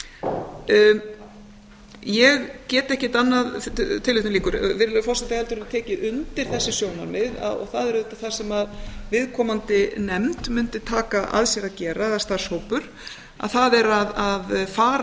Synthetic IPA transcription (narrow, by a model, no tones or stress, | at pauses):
jɛɣcɛːt̪ɛhcɪt̪anːaðt̪ʰɪlɪht̪ʏliːkʏɾvɪɾɪlfɔ̥sat̪ahɛlt̪ʏɾɪɾat̪ʰɛːcɪʔʏnt̪ɪɾ̥θɛsːɪsjoːwna̰ɾmɪða̰ɔ̰θaðɛɾðɛht̪aθasɛmaðvɪðkʰɔːmant̪ɪnɛmt̪mʏnt̪ɪt̪ʰaːkaʔa̰ðsjɛɾaðcɛːɾaðast̪aɾ̥showpʏɾ̥ | a̰ðθaðɛɾaðaðfaːɾ